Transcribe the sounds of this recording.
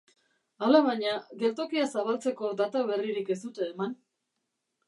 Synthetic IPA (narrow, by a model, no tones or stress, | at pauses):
alaβaɲaɡe̞ɾt̪o̞kiasaβalt͡se̞ko̞d̪at̪aβe̞riɾike̞st̪ut̪e̞ːman